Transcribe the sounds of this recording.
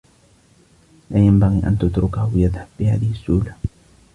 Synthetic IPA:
laːjambaɣiːʔa̰nt̪ʊt̪ɾʊkahwjaðhabːɪhaːðɪhɪsːuːla

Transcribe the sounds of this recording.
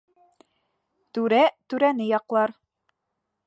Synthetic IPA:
t̪ʉɾæt̪ʉɾænɘjɑqlˠɑɾ

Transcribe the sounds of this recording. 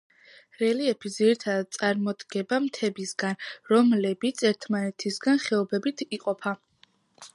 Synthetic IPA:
ɾɛliɛpʰiziɾit̪ʰad̪ad̪̚t̪sʼaɾmɔd̪ɡ̥ɛbamt̪ʰɛbisɡanɾɔmlɛbit̪sʰɛɾt̪ʰmanɛt̪ʰisɡanχɛɔbɛbit̪ʰiqʼɔpʰa

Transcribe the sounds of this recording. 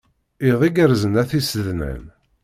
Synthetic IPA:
iðˤiɡəɾzənæθisəðnə̰n

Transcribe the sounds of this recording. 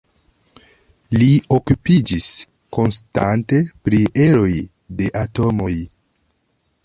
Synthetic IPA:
lio̞kupid͡ʒis | ko̞nsta̰nte̞pɾiʔe̞ɾo̞j | de̞ʔato̞mo̞j

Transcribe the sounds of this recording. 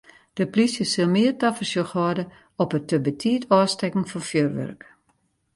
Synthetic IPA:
d̥əplisjəsɪlˠmɪərtafəsjoxʋɔdə | ɔpətəbətʰiətʰɔːstɛkŋ̩fɔnfjørʋø̰rk

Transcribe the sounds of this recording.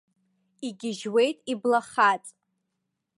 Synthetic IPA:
iɡʲɪʒwe̞jtʼiblaχat͡sʼ

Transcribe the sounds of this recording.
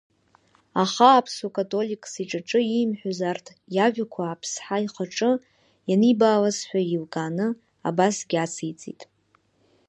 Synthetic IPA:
aχaːpʰsukʼatʼo̞likʼsiʈ͡ʂʼaʈ͡ʂʼɨimħʷᶣazartʰ | jaʒʷᶣakʷʰaːpʰsħaiχaʈ͡ʂʼɨ | janibaːlasħʷᶣailkʼanɨ | a̰basɡʲat͡sʰijt͡sʼḭtʼ

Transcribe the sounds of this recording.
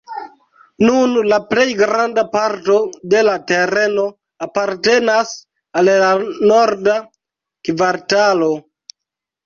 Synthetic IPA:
nunlaple̞jɡɾandapaɾto̞de̞late̞ɾe̞no̞ | apaɾte̞nas | allano̞ɾda | kvaɾtalo̞

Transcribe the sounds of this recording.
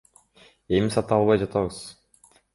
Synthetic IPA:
e̞misɑt̪ɯɑlˠβɑjd͡ʒɑt̪ʰɑβɯz̥

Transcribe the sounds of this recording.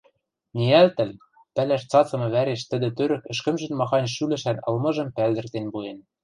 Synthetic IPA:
nʲiælt̪ɘ̆l | pælæʃt͡sɑt͡sɤ̆mɤ̆βæɾeʃt̪ɘ̆d̪ɘ̆t̪øɾɘ̆kɘ̆ʃkɘ̆mʒɘ̆nmɑxɑnʲʃylɘ̆ʃænɤ̰̆lmɤ̆ʒɤ̆mpæld̪ɘ̆rt̪enbujen

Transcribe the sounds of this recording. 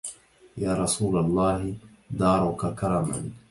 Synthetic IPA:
jaːɾˤɑsuːlalˤːɑːɦɪ | d̪ɑːɾˤʊkakɑɾˤɑma̰n

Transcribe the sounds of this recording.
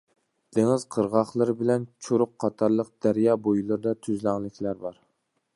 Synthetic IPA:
d̪̥eŋɪzqʰəɾʁɑχlˠɨɾbɪlɛnt͡ʃʰoɾʊqʰːɑt̪ʰɑɾlˠəq̚d̪̥æɾjɑːbojulˠɨɾd̪ɑt̪ʰyzlæŋlˠɪkʲʰlæɾbɑɾ

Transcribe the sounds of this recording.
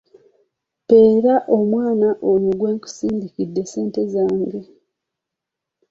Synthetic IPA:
pe̞ːɾaʔo̞mwaːnaʔoluɡwe̞ːŋku̥siːndikidːe̞se̞ːnte̞zaːŋɡe

